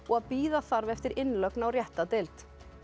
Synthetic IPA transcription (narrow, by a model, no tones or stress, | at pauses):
ɔɣaðpiːðaθaɾvɛft̪ɪɾɪnlœknawrjɛht̪at̪ɪlt̪